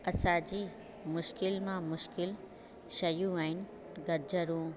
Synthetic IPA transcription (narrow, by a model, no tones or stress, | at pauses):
ɐsãːd͡ʑiː | mʊʃkɪlmãmʊʃkɪl | ʃɐjũaːɪn | ɡɐɾd͡ʑəɾũː